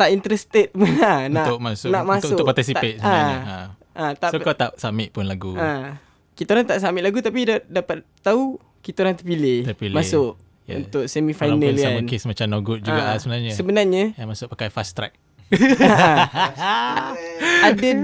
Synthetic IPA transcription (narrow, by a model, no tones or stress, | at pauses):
t̪aʔint̪əɾɛst̪ət̪̚mənannaʔkmasnaʔmasʊʊpat̪isiapet̪̚səbanaɲaa | ʔat̪aʔsokat̪aʔsamɪʔ̚pʊnlaɡṵa | kit̪aoɾaŋt̪aʔsamɪʔlaɡut̪apidadapat̪t̪ːau | kit̪aoɾaŋt̪əpilɪt̪pilmasʊʔ | ṵnt̪ʊʔ̚sɛmifajnə̃lamənkesmat͡ʃamnoɡut̪̚d͡ʒuɡaʔasəbənarɲəsəbənarɲəjamasʊʔ̚pakajfast̪ɾɛ̰k̚ | adə